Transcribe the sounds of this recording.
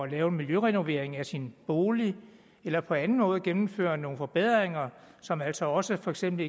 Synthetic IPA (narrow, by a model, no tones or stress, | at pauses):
lɛːʊe̝nmiljøʁɛno̝ʋe̝ɐ̰eŋæsinb̥o̝ːli | elɐpʰɒ̽ænn̩mɔ̽ːð̞̩ˠəɡ̥enm̩fø̰ːɐno̝ːn̩fɒ̽b̥eð̞̰ˠʁeŋɐ | sɒ̽mæl̰sɒ̽ɒ̽səfɒ̽eɡ̥sem̰b̥l̩e